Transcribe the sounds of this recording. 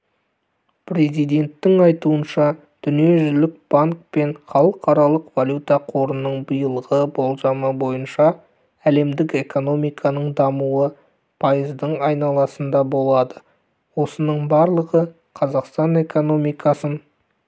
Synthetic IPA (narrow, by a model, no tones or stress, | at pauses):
pʰɾe̞zijd̪e̞nt̪ːɪŋɑjt̪uənʃɑ | d̪̥ʏnije̞ʒʏlɪk̚b̥aŋk̚pe̞ɴχɑlˠəqʰɑɾɑlˠəqvalʲjut̪aqʰo̞ɾənːəɴbəjəlˠəʁəbo̞lˠʒɑməbo̞jənʃɑ | æle̞md̪ɪke̞ko̞no̞mijkʰɑnəɴd̪ɑmuə | pʰɑjəzd̪əɴɑjnɑlˠɑsənd̪ɑbo̞lˠɑd̪ə | wo̞sənəɴbɑɾlˠəʁə | qʰɑzɑqst̪ɑne̞ko̞no̞mijkɑsən